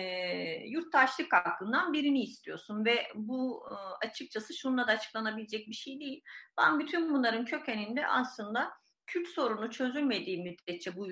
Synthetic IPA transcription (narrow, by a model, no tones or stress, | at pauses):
juɾt̪̚d̪aʃlˠɯkhak̪ːˠɯnd̪anbiɾiniːst̪ʰijo̞sunvɛbuat͡ʃʰɯk̚t͡ʃʰasɯʃund̪ad̪aːt͡ʃʰɯ̥klˠanabilʲe̞d͡ʒɛc̚biʃejd̪ejilʲb̥a̰nbyt̪ʰynbunlˠaɾɯncʰø̞cenind̪ɛ̰ʔa̰slˠɯnd̪a | cʰylʲt̪so̞ɾunut͡ʃʰø̞zylʲme̞d̪iːmːyd̪ɛt̪̚t͡ʃʰːɛbu